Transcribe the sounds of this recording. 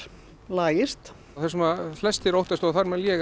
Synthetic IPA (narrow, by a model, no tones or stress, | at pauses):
laːjɪst̪ | θɛsʏmaflɛst̪ɪɾowht̪ast̪ɔɣθaɾmɛðljɛːɣ